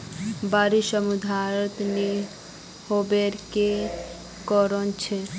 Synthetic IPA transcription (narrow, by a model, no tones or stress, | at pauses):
baɾiʃəmud̪ʱaɾɔt̪ni | hobeɾke | kɔɾɔnt͡ʃʰe